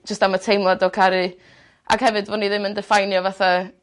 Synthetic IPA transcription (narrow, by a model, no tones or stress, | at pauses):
d͡ʒəstamatʰejmɔdɔkʰaɾɨ | ʔa̰ɡ̥hɛvɨdvɔniðɪməndɛfajnjɔvaθa